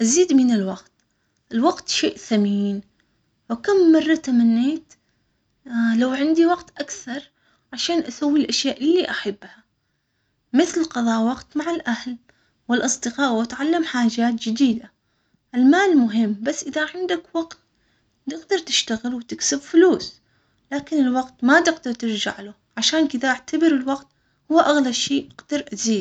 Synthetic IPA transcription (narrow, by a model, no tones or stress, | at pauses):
ʔaziːd̪mɪnɪlwɑɡt̪ | ʔɪlwaɡt̪ʃeːʔθamiːn | wɪkamːɑrˤːɑt̪amanːeːt̪ | lawʕɪnd̪iwɑɡt̪ʔakθɑɾˤ | ʕaʃaːnʔasawːilʔaʃjaːʔɪlːiʔaħabːha | mɪθlqɑðˤɑːʔwɑqt̪maʕalʔahl | wɪlʔɑsˤd̪ɨqɑːʔwʔat̪ʕalːamħaːd͡ʒaːt̪̚d͡ʒɪd̪iːd̪a | ʔɪlmaːlmʊɦɪmːbasːʔɪðaʕɪnd̪akwɑɡt̪̚ | t̪ɪɡd̪ɑɾˤt̪ɪʃt̪aɣɪlwt̪ɪksɪbfʊluːs | laːkɪnɪlwɑqt̪mat̪ɪɡd̪ɑɾˤt̪ɪɾd͡ʒa̰ʕlʊ | ʕaʃaːnkɪðaʔaʕt̪abɪɾɪlwɑqt̪ | hʊwːaʔaɣlabʃiːʔaqd̪̥ɑɾˤʔaziːd̪